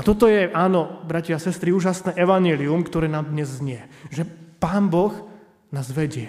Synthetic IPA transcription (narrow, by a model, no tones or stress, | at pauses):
at̪ɔt̪ɔjɛʔaːnɔbɾacɛasɛst̪ɾiuːʒasnɛːʔɛʋaɲɛliumkt̪ɔɾɛːnamd̪ɲɛzːɲɪɛʒɛpaːmbɔx | naːzʋɛɟɪɛ